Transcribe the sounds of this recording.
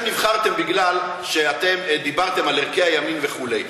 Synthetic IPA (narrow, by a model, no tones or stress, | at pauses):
mnivχaʁt̪e̞mbiɡlal | ʃe̞at̪e̞md̪ibaʁt̪e̞maleʁkeajaminveχulej